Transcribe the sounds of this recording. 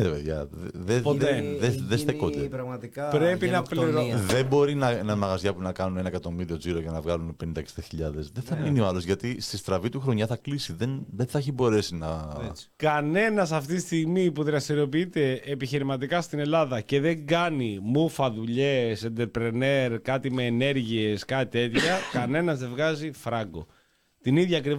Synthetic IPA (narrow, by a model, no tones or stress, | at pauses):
eðepeðʝɐ̰ððepot̪eðeðest̪ekot̪eɾɐɣmɐt̪ikɐpɾe̞pinɐpliɾoðe̞bo̞ɾinɐnɐmɐɣɐzʝɐpunɐkɐnunenɐekɐt̪o̞miɾio̞d͡ziɾo̞ʝɐnɐvɣɐlunpe̞nind̪ɐeksi̥d̪ɐçiʎɐðesðeθɐminioɐlo̞zʝɐt̪ist̪ist̪ɾɐvit̪uxɾo̞ɲɐθɐklisiðenðenθɐeçibo̞ɾe̞sinɐkɐne̞nɐsɐft̪it̪ist̪iɣmipuðɾɐst̪iɾio̞piit̪e̞ːpiçiɾimɐt̪̬ikɐst̪ine̞lɐðɐce̞ðe̞ŋɡɐnimufɐðuʎe̞send̪e̞ɾpɾene̞ɾkɐt̪ime̞ːne̞ɾʝie̞skɐt̪it̪e̞t̪çɐkɐne̞nɐzðe̞vɣɐzifɾɐɡo̞̰ | t̪iniðʝɐːkɾi